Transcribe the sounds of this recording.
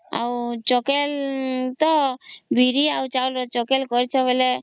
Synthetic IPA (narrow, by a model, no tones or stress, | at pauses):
a̰wt͡ʃɔkelt̪ɔbʱiɾiaut͡ʃault͡ʃɔkelkɔɾt͡ʃʰɔbele